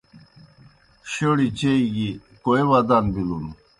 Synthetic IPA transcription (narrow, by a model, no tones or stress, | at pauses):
ɕeɽit͡ɕeiɡikoewad̪anbilun